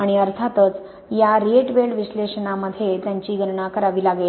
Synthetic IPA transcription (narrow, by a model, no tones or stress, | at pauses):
aɽ̃iəɾt̪ʰat̪ət͡s | jaɾieʈʋeɭʋiɕleʂənaməd̪ʱːjet̪jãɲt͡ɕiːɡʱənɳakəɾaʋiːlaɡel